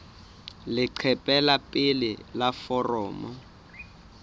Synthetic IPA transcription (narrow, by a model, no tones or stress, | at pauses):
lɪǃʰɛpʼɛlapʼɪlɪlafɔrɔːmɔ